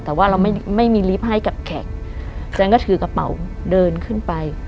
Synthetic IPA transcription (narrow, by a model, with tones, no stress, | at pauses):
t̪ɛː˨˩waː˥˩ɾa˧wma˥˩jma˥˩jmiː˧li˦˥p̚ɦa˥˩jka˨˩p̚kʰɛ˨˩k̚ | t͡ɕa˧nkɔː˥˩t̪ʰɯː˨˩˦ka˧pa̰˨˦w | dɤː˧nkʰɯ˥˩npa˧j